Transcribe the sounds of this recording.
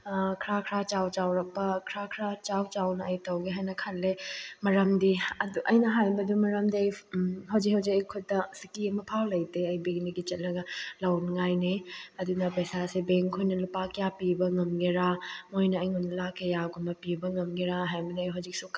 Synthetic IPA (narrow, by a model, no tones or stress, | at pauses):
kʰɾakʰɾat͡ʃawt͡ʃawɾɐk̚pːɐkʰɾakʰɾat͡ʃawt͡ʃawnɐɐjtɐwɡiɦajnɐkʰɐlːemɐɾɐmdiɐduʔɐjnɐɦajbɐdumɐɾɐmdiɐjɦawd͡ʒik̚hɐwd͡ʒikɐjkʰutːɐsikːimɐpʰallɐjteɐjbeŋniɡit͡ʃɐt̚lɐɡɐlawnŋajniɐdunɐpɐsasibeŋkʰojnɐlupakjapibɐŋɐmɡeɾamojnɐːjŋonɐlakʰːejaɡumbɐpibɐŋɐmɡeɾaɦajbɐduɐjɦawd͡ʒik̚su